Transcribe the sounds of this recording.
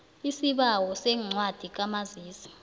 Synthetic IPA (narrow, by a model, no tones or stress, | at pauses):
isiɓawɔsɛŋ͡ǀʱwad̥ʱik̬amaziːsi̥